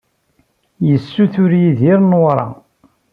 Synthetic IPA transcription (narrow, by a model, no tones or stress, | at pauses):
jəsːuθʊɾjiðiɾnwɾˤɑ̰